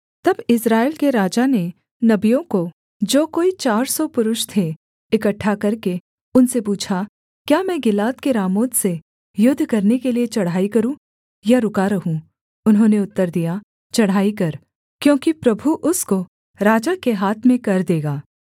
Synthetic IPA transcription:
t̪ɐbɪsɾaːɪlkeɾaːd͡ʒane | nɐbijõko | d͡ʒoːkoːit͡ʃaːɾsɔpʊɾʊʃt̪ʰe | ɪkɐʈʰːakɐɾke | ʊnsepuːt͡ʃʰa | kjaːmɛ̃ːɡɪlaːt̪keɾaːmoːt̪se | jʊd̪ʱːkɐɾnekeliet͡ʃɐɽ̤ɦaːikɐɾũ | jaɾʊkaɾɐɦũ | ʊnɦõːneʊt̪ːəɾd̪ija | t͡ʃɐɽ̤aːikɐɾ | kjõːkipɾɐbʱuʔʊsko | ɾaːd͡ʒakeɦaːt̪ʰmẽkɐɾd̪eːɡaː

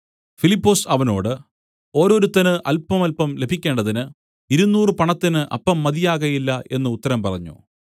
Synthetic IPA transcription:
filipːoːsɐʋɐno̞̰ːɽɨ | o̞ːɾo̞ːɾut̪ːɐnɨʔɐlpɐmɐlpɐmle̞bʱikʲːe̞ːɳɖɐðinɨ | iɾunːuːrɨpɐɳɐt̪ːinɨʔɐ̰pːɐmːɐðijaːɣɐjilːɐʔe̞nːɨut̪ːɐɾɐmpɐrɐɲːṵ

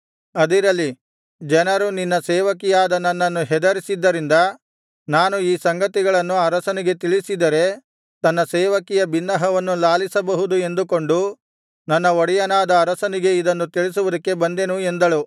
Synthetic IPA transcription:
ɐd̪iɾɐlːi | d͡ʒɛnɐɾuninːɐsɛːʋɐkijaːd̪ɐnːɐnːɐnːuɦɛd̪ɐɾisid̪ːɐɾind̪ɐ | naːnuiːsɐŋɡɐt̪iɡɐɭɐnːuɐɾɐsɐniɡe̞t̪iɭisid̪ɐɾe̞ | t̪ɐnːɐsɛːʋɐkijɐbinːɐɦɐʋɐnːulaːlisɐbɐɦud̪ue̞nd̪uko̞ɳɖu | nɐnːɐoɽijɐnaːd̪ɐːɾɐsɐniɡe̞id̪ɐnːut̪iɭis̬uʋud̪ɐkːe̞bɐnd̪enue̞nd̪ɐɭu

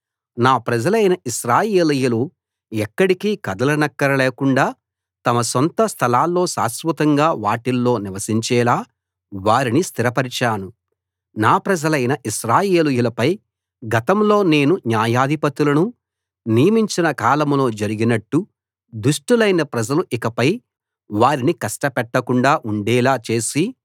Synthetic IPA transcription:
naːpɾɐd͡ʒɐlɐjnɐiʃɾaːjeːlujulu | ɛkːɐɽikikɐd̪ɐlɐnɐkːɐɾɐleːkuɳɖaː | t̪ɐmɐsont̪ɐst̪ʰɐlaːlːo̞ːsa̰ːsʋut̪ɐŋɡaːʋaːʈilːo̞ːniʋɐsiɲt͡ʃɛːlaː | ʋaːɾinist̪ʰiɾɐpɐɾit͡ʃaːnu | naːpɾɐd͡ʒɐlɐjnɐʔiʃɾaːje̞ːlujulɐpɐj | ɡɐt̪ɐmlo̞ːne̞ːnuɲjaːjaːd̪ʱipɐt̪ulɐnu | nijɐmiɲt͡ʃinɐkaːlɐmlo̞ːd͡ʒɐɾiɡinɐʈːu | d̪uʂʈulɐjnɐpɾɐd͡ʒɐluʔikɐpɐj | ʋaːɾinikɐsʈɐpɛʈːɐkuɳɖaːʔuɳɖɛːlaːt͡ʃe̞ːsi

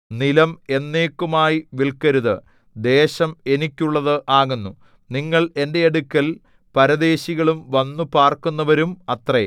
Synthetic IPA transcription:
nilɐme̞nːe̞ːkːumaːjiʋiɭkɐɾuðɨ | d̪e̞ːɕɐme̞nikʲːuɭːɐðɨʔaːɣunːu | niŋːɐɭe̞nde̞eɽukʲːɐl | pɐɾɐd̪e̞ːɕiɣɐɭumʋɐnːupaːrkunːɐʋɐɾumɐt̪re

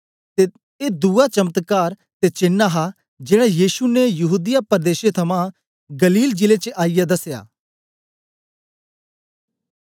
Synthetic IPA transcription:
t̪e | ed̪uːat͡ʃɐmət̪kaːɾ | t̪et͡ʃɪnːaɦa | d͡ʒeːɽ̃ajiːʃunejɐɦuːd̪ɪjapɐɾd̪eːʃet̪ʰɐmã | ɡɐliːld͡ʒɪlet͡ʃəʔaːijad̪ɐsja̰ː

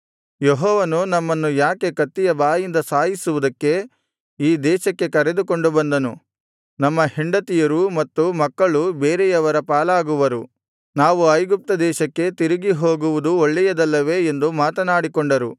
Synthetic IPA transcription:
jeɦɔːʋɐnunɐmːɐnːujaːke̞kɐt̪ːijɐbaːjind̪ɐsaːɦisuʋud̪ɐkːe̞ | iːd̪ɛːʃɐkːe̞kɐɾe̞d̪uko̞ɳɖubɐnd̪ɐnṵ | nɐmːɐhiɳɖɐt̪ijɐɾumɐt̪ːumɐkːɐɭubeːɾejɐʋɐɾɐpaːlaːɡuʋɐɾu | naːʋuɐjɡup̚t̪ɐd̪ɛːʃɐkːe̞t̪iɾiɡiɦo̞ːɡuʋud̪uoɭːɛjɐd̪ɐlːɐʋe̞ːnd̪umaːt̪ɐnaːɽikoɳɖɐɾu

